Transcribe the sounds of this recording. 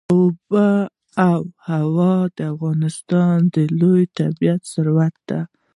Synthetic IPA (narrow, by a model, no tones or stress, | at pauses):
obə | awhawɑd̪̥əafɣɑnɪst̪ɑnd̪əlojt̪abijat̪sʊɾwat̪̚d̪̥a